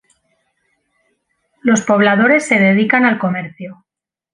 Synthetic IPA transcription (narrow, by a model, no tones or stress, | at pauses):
lo̞spo̞β̞laðo̞ɾe̞sːe̞ðe̞ðikanalko̞me̞ɾθju